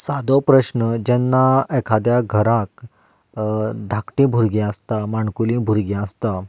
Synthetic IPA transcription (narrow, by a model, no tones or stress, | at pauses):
sad̪opɾəɕnəd͡ʑɛnːaekʰad̪jaɡʱəɾãk̚ | d̪ʱakʈĩbʱuɾɡiəst̪amaɳkulĩbʱuɾɡiəst̪a